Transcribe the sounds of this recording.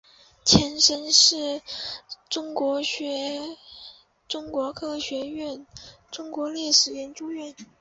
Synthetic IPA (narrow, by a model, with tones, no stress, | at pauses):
t͡ɕʰjɛ˧˥nʂə˥nʂɻ̩˥˩ | ʈ͡ʂʊ˥ŋkwɔ˧˥ɕɥɛ˧˥ | ʈ͡ʂʊ˥ŋkwɔ˧˥kʰɤ˥˩ɕɥɛ˧˥ɥɛ˥˩nʈ͡ʂʊ˥ŋkwɔ˧˥li˥˩ʂɻ̩˨˩jɛ˧˥nʈ͡ʂu˥˧ɥɛ˥˩n